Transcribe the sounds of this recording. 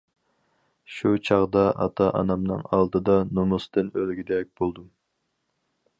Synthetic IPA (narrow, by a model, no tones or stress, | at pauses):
ʃut͡ʃʰɑʁd̪ɑɑ̰t̪ʰɑʔɑ̰nɑmnɨ̰ŋɑ̰lˠd̪ɨd̪ɑnumust̪ɨnølɡʲid̪ɛk̚ʲb̥olˠd̪um